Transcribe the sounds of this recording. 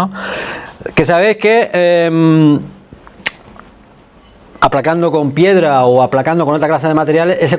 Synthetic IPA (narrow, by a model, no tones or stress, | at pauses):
o | ke̞saβe̞jhke̞em | aplakand̪o̞ko̞mpje̞ðɾaoaplakand̪okonot̪ɾaklas̬eðe̞mat̪e̞ɾjale̞ʔes̬e